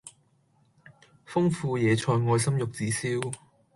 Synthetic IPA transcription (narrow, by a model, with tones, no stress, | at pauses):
fʊ˥ŋfuː˧jɛː˨˧t͡ʃʰɔː˧jŋɔː˧jsɐ˥mjʊ˨k̚t͡siː˨˥siː˥w